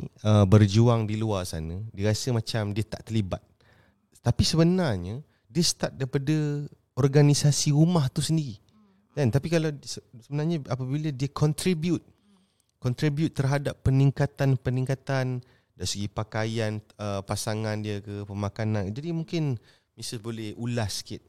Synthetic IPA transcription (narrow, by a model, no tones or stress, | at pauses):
əbərd͡ʒuaŋdiluarsa̰nədiəɾasəmãt͡ʃamdiət̪a̰ʔt̪əliba̰t̪̚ | t̪apisəbənarɲə | diəst̪at̪̚daipadə | ɔrɡanisasiɾumaht̪usəndiɾi | dant̪apikalasəsəbənarɲaapəbilədiəkʰɔnt̪ɾibjut̪̚ | kɔnt̪ɾibjut̪ːərɦadapːəniŋkat̪anpənĩŋkat̪an | daɾisəɡipakajanəpasaŋandiəkəpəmakanãnd͡ʒadimũŋkɪn | misəbolɛhulasə̥kɪt̪̚